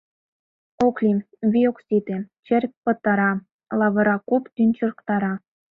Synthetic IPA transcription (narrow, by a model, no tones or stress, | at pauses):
oklʲi | vʲioksʲit̪et͡ɕɘ̆rʲpɤ̆t̪ːɑɾɑ | lˠɑβɤ̆ɾɑkupt̪ynʲt͡ɕɤ̆r̆kt̪ɑɾɑ